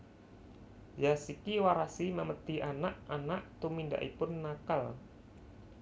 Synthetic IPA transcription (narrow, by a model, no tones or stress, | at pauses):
jasikiwaɾasiməmət̪ianaʔʔanaʔt̪uminda̰ʔḭpʊnːakal